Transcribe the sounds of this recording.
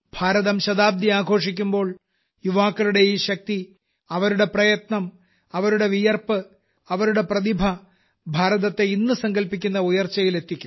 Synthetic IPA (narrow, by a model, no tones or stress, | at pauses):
b̥ʱaːɾɐðɐmɕɐðaːb̚d̪iaːɡʱo̞ːʂik̬ʲːumbo̞ːɭ | juʋaːkːɐluɽe̞iːɕɐk̚t̪i | ɐʋɐɾuɽe̞prɐjɐt̪nɐm | ɐʋɐɾuɽe̞ʋijɐrpɨ | ɐʋɐɾuɽe̞prɐðibʱɐ | bʱaːɾɐðɐt̪ːe̞inːɨsɐŋɡɐlpikʲːunːɐujɐrt͡ɕːɐjile̞t̪ːikʲːum